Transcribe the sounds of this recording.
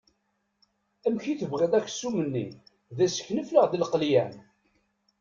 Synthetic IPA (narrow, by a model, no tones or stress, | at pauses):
æmçiθəvʁed̪ˤækːsumənːḭ | ðæsə̥çnəfləʁðilqljæn